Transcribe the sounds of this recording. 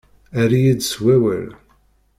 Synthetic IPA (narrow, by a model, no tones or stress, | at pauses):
æɾijid̪swæwə̰l